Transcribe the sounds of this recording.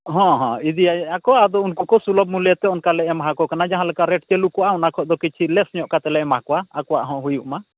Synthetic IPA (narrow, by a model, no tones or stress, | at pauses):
ɦɔ̃ɦɔ̰̃id̪ijaakɔad̪ɔunkukɔsulɔb̚muljɛt̪ɛɔnkalɛʔɛmaɦakɔkanad͡ʒaɦãlɛkaɾɛʈkɛlukɔwaʔw̃nakʰɔʔd̪ɔkit͡ʃʰilɛsɲjɔʔkat̪ɛlɛʔɛmaɦakɔwaːkɔwa̰ʔɦɔ̃ɦujuʔma